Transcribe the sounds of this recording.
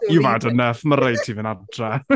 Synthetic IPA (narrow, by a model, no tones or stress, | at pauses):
ivadənəfmaɾej̚tʰiːvənantʰrɛ